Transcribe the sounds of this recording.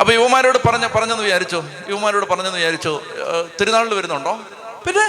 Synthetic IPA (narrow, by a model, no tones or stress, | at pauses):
ɐpːoːiʋɐmaːɾo̞ːɽɨpɐrɐɲːɐpɐrɐɲːɐnːʋit͡ɕaːɾit͡ɕːu | iʋɐmaːɾo̞ːɽɨpɐrɐɲːenːɨit͡ɕaːɾit͡ɕːut̪iɾunaːɭilɨʋɐɾunːɐuɳɖo̞ː | pinːe